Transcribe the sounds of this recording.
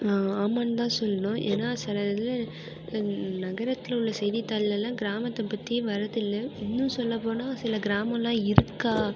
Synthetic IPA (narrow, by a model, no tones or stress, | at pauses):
aːaːmɐnt̪ãːsɔlːɐnõːʔḛːnːaːsɪlɐðɪl | nɐɣɐɾɐt̪ːɪlʊlːɐsɛjðit̪ːaːlɪlɐlãːɡɪɾaːmɐt̪ːɐpɐʈːĩʋɐɾɐðɪlːɐɪnːɯ̃sɔlːɐpːoːnaːsɪlɐɡɪɾaːmɐ̃lãːɪɾɯkːaː